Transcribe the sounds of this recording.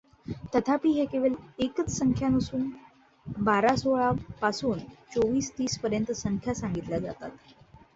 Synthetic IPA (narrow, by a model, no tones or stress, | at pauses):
t̪ət̪ʰapiːɦekeʋelekət͡ssəŋkʰjanəsuːn | baɾasoɭapasuːnt͡soʋiːst̪iːspəɾjənt̪əsəŋkʰjasaŋɡit̪lad͡za̰t̪a̰t̪